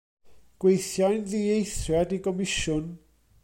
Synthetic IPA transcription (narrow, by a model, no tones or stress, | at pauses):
ɡ̥wejθjajndiejsɾatikɔmiʃɔn